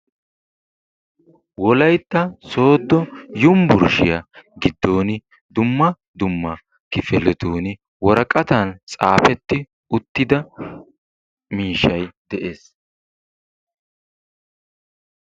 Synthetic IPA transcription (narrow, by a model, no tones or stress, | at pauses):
wɔlɐjt̪ːɐso̞ːd̪ːɔjʊmbʊɾʃɪjɐɡɪd̪ːo̞ːnɪ | d̪ʊmːɐ | d̪ʊmːɐ | kɪfɛlɛt̪uːnɪ | wɔɾɐkʼɐt̪ɐnt͡sʼa̰ːfɛt̪ːɪ | ʊt̪ːɪd̪ɐ | miːʃːɐjd̪̥ɛʔeːs